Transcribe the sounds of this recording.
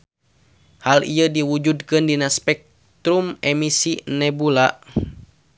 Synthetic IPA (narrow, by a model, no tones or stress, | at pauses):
halḭədiwud͡ʒudkɨndinaspɛk̚ | t̪ɾumɛmisinɛbulaʔ